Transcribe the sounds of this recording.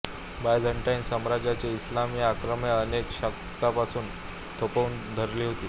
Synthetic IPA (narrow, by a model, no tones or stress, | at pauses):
bajd͡zʱəɳʈajnsəmɾad͡ʑat͡ɕeislamiːakɾəmjaənekɕəkt̪kapasuːn | t̪ʰopəund̪ʱəɾliːɦot̪iː